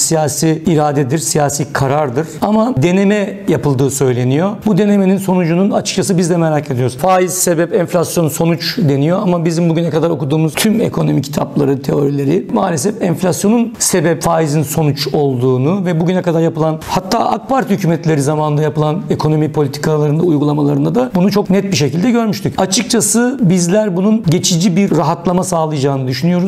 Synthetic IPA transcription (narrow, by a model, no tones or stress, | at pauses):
sijaːsiːɾaːd̪ɛd̪iɾsijaːsiːkʰaɾaɾd̪ɯɾamad̪e̞ne̞mɛjapɯlˠd̪ɯːsø̞jlʲe̞nijo̞bud̪e̞ne̞meninso̞nud͡ʒununat͡ʃʰɯ̥k̚t͡ʃʰasɯbizd̪ɛmeɾacʰe̞d̪ijo̞ɾuzfaːizse̞bɛpɛnflʲasjo̞nso̞nut͡ʃd̪e̞nijoamabizimbuɟynɛkad̪aɾo̞kud̪uːmuz̥t̪ʰyme̞̰kʰo̞no̞micʰit̪ʰaplˠaɾɯt̪ʰe̞o̞ɾilʲe̞ɾimaːlʲesɛfɛnflʲasjo̞nunse̞bɛpfaːizinso̞nut͡ʃo̞lˠd̪uːnuvɛbuɟynɛkad̪aɾjapɯlˠanhat̪ʰːa̰ːʔak̚paɾt̪hycʰyːmɛt̪lʲe̞ɾizamaːnɯnd̪ajapɯlˠane̞kʰo̞no̞mipʰo̞lʲit̪ʰi̥kʰalˠaɾɯnd̪aujɡulˠamalˠaɾɯnd̪ad̪abunut͡ʃʰo̞knɛt̪̚biʃ̬e̞cilʲd̪ɛɟø̞ɾmyʃt̪ʰycat͡ʃʰɯk̚t͡ʃʰasɯbizlʲæɾbununɟe̞t͡ʃʰid͡ʒibiɾːaɦat̪lˠamasaːlˠɯjad͡ʒaːnɯd̪yʃynyjo̞ɾuz